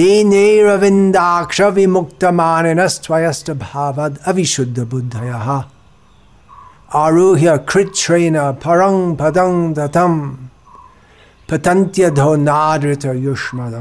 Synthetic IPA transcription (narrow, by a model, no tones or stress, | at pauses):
ineːɾɐʋind̪aːkʂɐʋimuk̚t̪ɐmaːnenɐstʋɐjɐstɐbʱaːʋɐd̪ɐʋiʃud̪ʱːɐbud̪ʱːɐjɐɦɐ | aɾuːɦjɐkɾɪt̪ʃɾɐjnɐpʰɐɾɐŋpɐd̪ɐŋd̪ɐt̪ɐm | pɐt̪ɐnt̪jɐd̪ʱoːnaːdɾɪt̪ɐjuʂmɐd̪ɐ